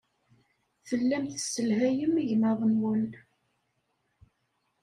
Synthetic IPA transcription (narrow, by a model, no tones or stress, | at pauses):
θəlːæmθəsːəlhæjəmiʝməðˤəmwən